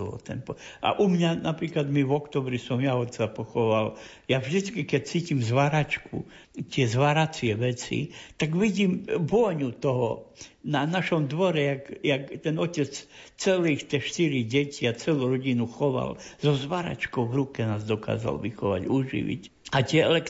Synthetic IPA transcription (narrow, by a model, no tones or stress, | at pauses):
ɔ̰t̪ɛnpɔʔa̰ʔumɲanapɾiːklad̪miʋɔkt̪ɔːbɾisɔmjaɔt̪t͡sapɔxɔʋal | javʒd̪it͡skikɛc̚t͡siːcimzʋaɾat͡ʃkṵ | t̪ɪɛzʋaɾat͡siɪɛʋɛt͡sḭt̪aɡʋiɟiːmbɔɲut̪ɔɦɔnanaʃɔmd̪ʋɔɾɛjakjakt̪ɛnɔcɛt͡st͡sɛliːxt̪ɛʃt̪iɾiɟɛcʰiat͡sɛluɾɔɟinuxɔʋa̰lz̥ɔzʋaɾa̰t͡ʃkɔʊʋɾukɛnaːzd̪ɔka̰ːza̰lʋixɔʋa̰ɟuːʒḭʋḭc | at̪ɪɛɛlɛk